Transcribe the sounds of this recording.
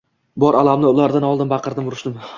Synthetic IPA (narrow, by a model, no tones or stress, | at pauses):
bɒɾalamnɪʊlaɾd̪anɒlˠd̪ɪnmbɑqʰɨɾd̪ɪmʊɾʊʃd̪ɪm